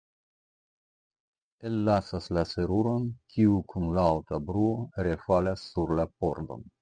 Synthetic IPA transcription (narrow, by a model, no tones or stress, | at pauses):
e̞lːasaslase̞ɾuɾo̞nkʰiukʰunlaːwtabɾuo̞ɾe̞falasːuɾlapo̞ɾdo̞̰n